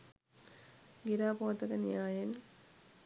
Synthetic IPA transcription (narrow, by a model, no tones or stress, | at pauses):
ɡiɾaːpot̪ɐkənijaːjen